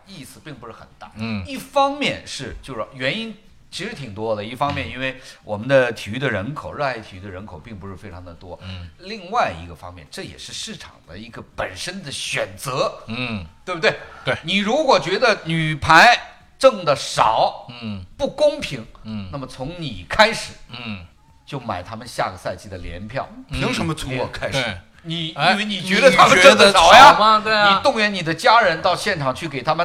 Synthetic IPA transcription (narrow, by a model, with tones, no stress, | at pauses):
i˥˩sɹ̩˨˩pi˥˩ŋpu˧˥ʂɻ̩˥˩xə̰˨˩nt̪a̰˥˩i˥˩fɑ˥ŋmjɛ˥˧nʂɻ̩˥˩t͡ɕjo˥˧ʊʂɥɛ˧˥ni˥n | t͡ɕʰi˧˥ʂɻ̩˧˥t̪ʰi˨˩ŋt̪wɔ˥d̪ə˨i˥˩fɑ˥ŋmjɛ˥˧ni˥nwe˥˩ɪwɔ˨˩mə˦nd̪ə˧t̪ʰi˨˩y˥d̪ə˨ɻə˧˥nkʰo˨˩ʊɻə˥˩la˧˥ɪt̪ʰi˨˩y˧˥d̪ə˧ɻə˧˥nkʰo˨˩ʊpi˥˩ŋpu˧˥ʂɻ̩˥˩fe˥ɪʈ͡ʂʰɑ˧˥ŋd̪ə˨t̪wɔ˥li˥˧ŋwa˥˩ɪḭ˧˥ɡə˧fɑ̰˥ŋmjɛ̰˥˧nʈ͡ʂɤ˥˩jɛ̰˨˩ʂɻ̩˥˧ʂɻ̩˥˩ʈ͡ʂʰɑ̰˨˩ŋd̪ə˦i˧˥ɡə˧pə˨˩nʂə˥nd̪ə˨ɕɥɛ˨˩nt͡sɤ˧˥t̪we˥˩bt̪we˥˩ɪwe˥˧˩ni˨˩ɻu˧˥kwɔ˨˩t͡ɕɥɛ˧˥d̪ə˧ny˨˩pʰa˧˥ɪ | ʈ͡ʂɤ˥˩ŋd̪ə˩ʂɑ̰˨˩˦ʊpu˥˩kʊ˥ŋpʰi˧˥ŋa˥˩mə˩t͡sʰʊ˧˥ŋnḭ˨˩kʰa˥ɪʂɻ̩˨˩˦ | t͡ɕjo˥˩ʊma̰˨˩ɪt̪ʰa˥mə˨nɕja̰˥˧ɡə˩sa˥˧ɪt͡ɕi˥˩d̪ə˩ljɛ̰˧˥npʰjɑ˥˩ʊpʰi˧˥ŋʂə˧nmə˧t͡sʰu˧˥wɔ˨˩kʰa˥ɪ˧˩ | ni˨˩˥we˥˩ni˨˩t͡ɕɥɛ˧˥d̪ə˧t̪ʰa˥mə˧ʈ͡ʂɤ˥˩d̪ə˧˨˩ja˧ɐ˧t̪we˥˩i˨˩t̪ʊ˥˧ŋɥɛ˧˥ni˨˩d̪ə˦t͡ɕja˥ɻə˧˥nt̪ɑ˥˧ʊɕjɛ˥˩nʈ͡ʂʰɑ˨˩ŋt͡ɕʰy˥˩ke˨˩ɪt̪ʰa˥mə˨